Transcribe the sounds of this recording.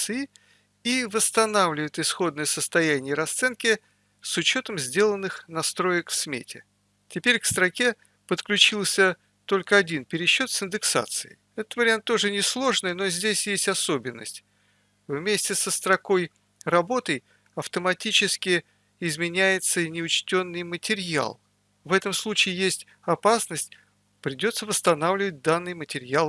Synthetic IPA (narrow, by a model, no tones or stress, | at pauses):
sɨɪ | ivəst̪ɐnavlʲɪvəjɪt̪ɨsxo̞d̪nəjəsəst̪ɐjænʲɪjəɾɐst̪sɛnkʲɪ | sʊt͡ɕo̞t̪əmzʲdʲe̞lˠənːɨxnɐst̪ɾo̞jɪkfsmʲḛtʲɪ̰ | tʲɪpʲeɾʲkst̪ɾɐkʲe̞ | pət̪klʲʉt͡ɕilˠsʲə | t̪o̞lʲkəɐdʲinpʲɪɾʲɪɕːo̞t̪sɪnd̪ɨksa̰t̪sɨɪ̰ | ɛt̪ət̪vəɾʲɪant̪ːo̞ʐɨnʲɪslˠo̞ʐnɨjno̞zʲdʲesʲjesʲtʲɐso̞bʲɪnːə̰sʲtʲ | vmʲesʲtʲɪsəst̪ɾɐkoj | rɐbo̞t̪əj | ɐft̪əmɐtʲit͡ɕɪskʲɪ | ɪzmʲɪnʲæjɪt̪sənʲɪʊt͡ɕtʲo̞nːɨjmətʲɪɾʲja̰lˠ | vɛt̪əmslˠut͡ɕɪːjesʲtʲ | ɐpasnəsʲtʲ | pɾʲɪdʲo̞t̪səvəst̪ɐnavlʲɪvət̚ʲd̪anːɨjmətʲɪɾʲjalˠ